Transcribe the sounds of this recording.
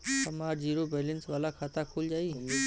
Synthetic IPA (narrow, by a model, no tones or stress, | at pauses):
əmaːɾd͡ʒiːɾobelensʋaːlakʰaːt̪akʰuld͡ʒaːi